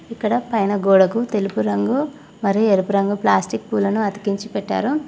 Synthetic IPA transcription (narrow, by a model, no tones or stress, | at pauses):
ikːɐɽɐpɐjnɐɡɔːɽɐkut̪e̞lupuɾɐŋɡu | mɐɾieɾupuɾɐŋɡuplaːsʈikpuːlɐnuɐt̪i̥kiɲt͡ʃipɛʈːa̰ːɾu